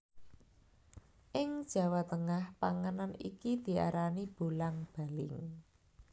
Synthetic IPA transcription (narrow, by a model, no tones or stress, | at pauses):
ʔɪŋd̥ʒ̥ä̤wat̪əŋahpaŋənanḭkid̪̥i̤a̰ɾanib̥ṳlaŋb̥a̤lɪŋ